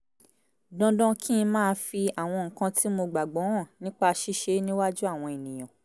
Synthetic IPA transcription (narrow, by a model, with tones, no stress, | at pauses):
dɔ̃˧dɔ̃˧˦kʰĩ˦˧mãː˦˧fi˧a˨w̃ɔ̃˧ŋ̩˨kã˧tʰi˦mo˧ɡ͡ba˨ɡ͡bɔ̃˨˦wɔ̃˦˨nĩ˦k͡pa˧ʃi˦ʃe˧˦nĩ˦wa˦d͡ʒu˦a˦˨w̃ɔ̃˧e˨nĩ˨j̃ɔ̃˨